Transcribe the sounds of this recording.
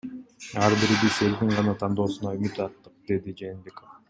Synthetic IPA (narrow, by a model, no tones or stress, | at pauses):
ɑɾbiɾbise̞lkiɴʁɑnɑt̪ʰɑnd̪o̞ːsunɑymyt̪ɑt̪ːɯq̚d̪e̞d̪id͡ʒeːnbʲe̞kof